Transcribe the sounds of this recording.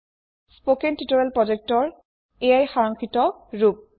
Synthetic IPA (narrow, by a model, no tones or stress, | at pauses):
spokentitoɹɛlpɹɔd͡ʒek̚tɔɹ | ejajxaɹɔŋkʰitɔɹup̚